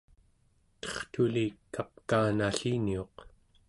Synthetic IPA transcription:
t̪ʌ̥χt̪ulikap̚kaːnaɬinioq

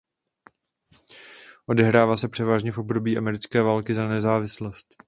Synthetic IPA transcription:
ʔo̞dɛɦɾaːvaːsɛpr̝̥ɛvaːʒɲɛfʔo̞bdo̞biːʔamɛɾɪt͡skɛːvaːlkɪzanɛzaːvɪslost̪

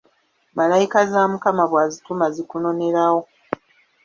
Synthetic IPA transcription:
malajikazamukamaβwaːzitumazikuno̞ne̞ɾawo

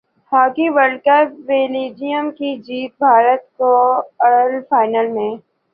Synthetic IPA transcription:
haːkiʋəlkəpʋeːliːd͡ʒijəmkid͡ʒiːt̪̚bʱaːɾət̪koɐɽəlfaːɪnəlmẽː

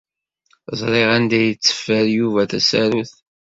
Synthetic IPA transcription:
zˤɾˤeʁænd̪æjət͡sːə̥fːəɾjuvæθæsæɾuθ

